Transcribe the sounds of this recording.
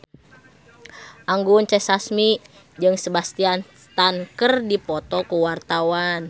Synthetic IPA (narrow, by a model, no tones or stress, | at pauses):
ʔaŋɡunt͡ʃɛsasmi | d͡ʒɨŋsəbast̪ian | t̪ankərdipɔt̪ɔkuwart̪awan